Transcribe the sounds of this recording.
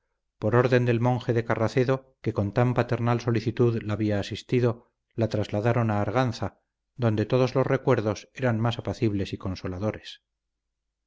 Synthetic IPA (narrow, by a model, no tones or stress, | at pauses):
poɾo̞ɾðe̞nd̪e̞lmõ̞ŋxe̞ðe̞karaθe̞ðo̞ | ke̞ko̞nt̪ampat̪e̞ɾnalso̞liθit̪uðlaːβiaːsist̪iðo̞ | lat̪ɾazlaðaɾo̞naːɾɣ̞anθa | d̪o̞nd̪e̞t̪o̞ðo̞zlozre̞kwe̞ɾðo̞se̞ɾanmasapaθiβle̞siko̞nso̞laðo̞ɾes